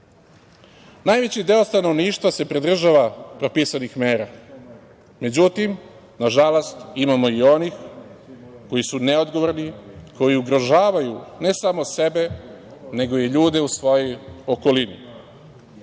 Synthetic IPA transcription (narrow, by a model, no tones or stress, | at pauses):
najʋe̞t͡ɕid̪e̞ost̪ano̞ʋniːʃt̪vʋase̞pɾid̪r̩ʒaʋapɾo̞pisanixmeːɾa | me̞d͡ʑut̪im | naʒalost̪imamo̞io̞nix | ko̞jisune̞o̞d̪ɡo̞ʋo̞ɾnikʰo̞jiuɡɾo̞ʒaːʋajune̞samo̞se̞be̞ne̞ɡo̞jeʎuːd̪e̞usʋo̞jojo̞ko̞lini